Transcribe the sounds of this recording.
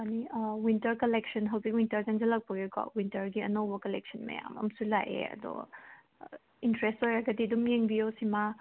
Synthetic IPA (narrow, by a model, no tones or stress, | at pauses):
maniwintɐɾkɐleksɐnɦɐwzik̚wintɐɾzɐŋzɐlɐk̚pɐɡikɔ̰wintɐɾɡiɐnowbɐkɐlek̚sɐnmɐ̰ja̰mɐ̰msulaʔḛɐ̰dɔ̰ | intɾestojɾɐɡɐdidumjeŋbiosima